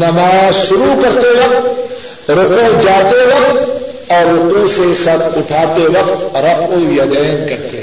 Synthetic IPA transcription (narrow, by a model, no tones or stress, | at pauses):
nɐmaːzʃʊɾukɐɾt̪eʋɐq̚t̪ | ɾʊqõd͡ʒaːt̪eʋɐq̚t̪ | ɔːɾːʊqũsesɐt̪ʊʈʰaːt̪eʋɐq̚t̪ɾɐfõjɐd̪ɛːnkɐɾt̪e